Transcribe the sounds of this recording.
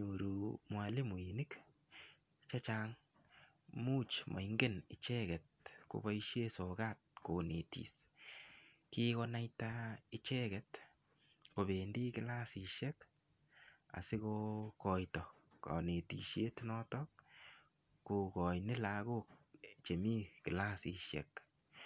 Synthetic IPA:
ɲo˨ɾu˨mwa˨li˦mu˨i˨ni˦k | t͡ʃa˦t͡ʃa˦ŋ | mu˦t͡ʃmʔa̰˨iŋɡe˦nɪ˨t͡ʃɛɡɛt̚ko̰˨ba˦iʃje˦so˨ka˦t̚ko˨ne˨tḭ˨s | kikɔna˦jtaɪ˦t͡ʃɛ˦kɛt | ko˨be˨ndi˦kɪ˦la˦si˧ʃɛ˦k | a̰˨sɪ˦ko˧kɔ˨jtɔ | kɔ̰˨ne˨tḭ˨ʃe˦tnɔ˦tɔkː | u˨kɔ˨jnɪ˦la˨ɡo˦k̚t͡ʃe˨mi˦kɪ˨la˦sḭ˨ʃɛ̰˨k

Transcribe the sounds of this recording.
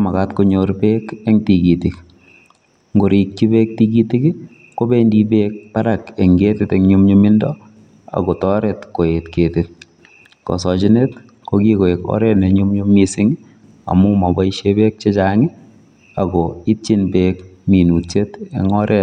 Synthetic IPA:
ma˨katko˦ɲoɾpeːke˦ŋti˨kiti˨k | ŋɡo˨ɾik̚t͡ʃi˦be˦k̚ti˦ki˦ti˦k | ko˦be˦ndi˦beːk̚paɾake˨ŋɡe˦tɪteŋɲu˦mɲomɪ˦ndɔ | a̰˨ɣɔ˨tɔ˦ɾɛ˨tko˨etketɪt̚ | kɔ̰˨sɔ˨t͡ʃi˦ne˦t | koki˦ko˨ekɔ̰˦ɾɛ˦nɛ˨ɲu˦mɲo˦misɪ˦ŋ | a̰˨mʊ˦mɔ˨ba˦iʃebe˦k̚t͡ʃe˦t͡ʃaŋɪ˦ | aɡɔi˦tt͡ʃɪnpeːkmi˨nu˨t͡ʃetḛŋɔ˦ɾɛ

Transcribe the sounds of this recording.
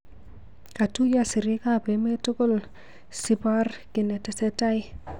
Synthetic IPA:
ka˨tu˦ja˦si˨ɾi˦ka˦˨pe˨˦me˦to˦ko˦˨l | si˨ba˦rkɪ˨nɛ˨tɛ˨sɛ˦ta˦j

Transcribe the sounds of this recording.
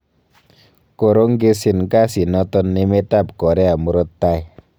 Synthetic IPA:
ko˨ɾo˦ŋɡe˦si˨nka˦si˨nɔ˧t̪ɔ˦nːe˦me˦ta˦˨p̚kɔ˨ɾɛ˦a˨mu˨ɾo˦tːa˦˨j

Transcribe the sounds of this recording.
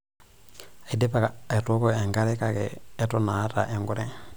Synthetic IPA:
a˨i˨de˦pa˦ka˨ɛ˨to˦kɔ˦ɛ˨ŋɡa˦ɾɛ˦ka˨kɛ̰ː˨˦tɔ˦na˨˦ta̰˨ʔɛ˨ŋɡu˦˨ɾɛ˦

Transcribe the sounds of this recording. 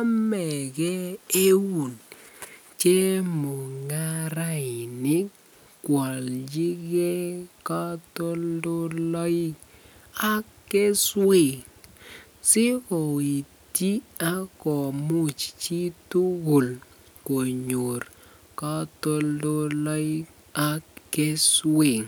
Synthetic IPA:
a˦mɛ˨ɡɛ˦e˦wu˨n | t͡ʃe˦mu˨ŋa˦ɾa˦ɪ˨nɪ˦ | kwɔ˨ld͡ʒi˦ɡe˦ka˦to˦ldo˦lɔ˦i˦ | a˦ke˦swe˦˨ŋ | sɪ˦kɔ˨i˨ | ti˦a˦kɔ˨mu˦˨t͡ʃt͡ʃi˦tu˦ɡo˨l | ko˨ɲo˨r | ka˦to˦ldo˦lɔ˦j | a˦kːe˦swe˦˨ŋ

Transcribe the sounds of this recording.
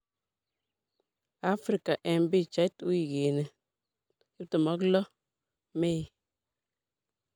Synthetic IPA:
a˦fɾi˨ka˨ʔɛ˨m˦bi˦˨t͡ʃa˨˦i˦tu˦i˨ɡeː˨ne˨ | ji˦p̚tə˨mɔ˨˦klɔ˦ | me˦˨

